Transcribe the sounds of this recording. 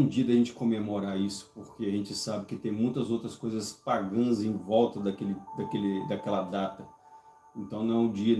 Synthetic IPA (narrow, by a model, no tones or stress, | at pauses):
d͡ʒiɐd̪ɐʒẽnt͡ʃɪ̥komemoɾaɾisʊ̥poɾkeɐʒẽnt͡ʃɪsabɪkɪt̪ẽj̃mũj̃t̪ɐzowt̪ɾɐskojzɐspaɡɐ̃nzẽj̃vɔwt̪ɐd̪ɐkelɪd̪ɐkelɪd̪ɐkɛlɐd̪at̪ɐ | ẽnt̪ɐ̃w̃nɐ̃ɛʊ̃d͡ʒiɐ